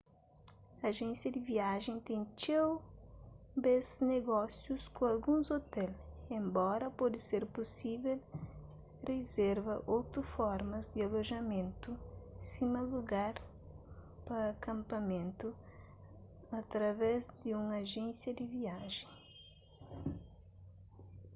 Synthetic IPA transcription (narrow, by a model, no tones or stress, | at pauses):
aʒẽnsjɐd̪ɪviaʒẽj̃t̪ẽj̃t͡ʃew | bezneɡɔsjuskõalɡũzot̪ɛlẽmbɔɾɐpɔd̪ɪseɾposivel | rezeɾvɐʔowt̪ʊfɔɾmɐzd̪ɪaloʒɐmẽnt̪usimɐluɡaɾ | pɐːkɐ̃mpɐmẽnt̪u | ɐt̪ɾɐvɛzd̪ɪũŋaʒẽnsjɐd̪ɪviaʒẽ